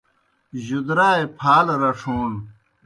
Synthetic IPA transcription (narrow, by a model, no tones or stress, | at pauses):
ʑud̪ɾaːepʰaːlɾɐʂʰoːn